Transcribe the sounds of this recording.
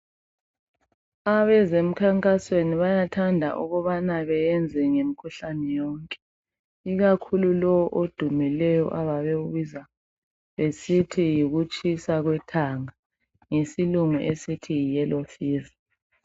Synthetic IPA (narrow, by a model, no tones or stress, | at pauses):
aβɛzem̩kʰaŋkʼasweniβajatʰandʱa̰ʔṵɣɔβanaβɛjɛnd͡zʱɛŋemikʰuɬanɛjɔːŋkʼɛ̥ | iɣakʰululɔwɔʔod̥ʱumilɛjɔ̰ʔaβaβeɣuβiza | βesitʰijiɣut͡ʃʼisaɣwɛtʰaŋa | ŋesiluŋuʔesitʰiijɛlofiːza